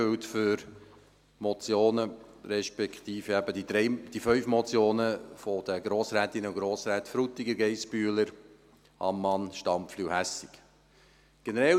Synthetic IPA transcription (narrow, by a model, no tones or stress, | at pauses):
øwtfʏɾ | mɔt͡sjoːnəɾɛʃpɛkt̪iːfəæbəd̥id̥ɾɛɪd̥ifœʏfmɔt͡sjoːnəfɔd̪̥əɡ̥ɾoːsɾæːt̪ɪnːəuɡ̥ɾoːsɾæːtfɾut̪ːiɡəɾɡɛɪspyːələɾ | ɑ̰mːɑnʃtɑmpflyhæsik | ɡ̥ɛnəɾɛ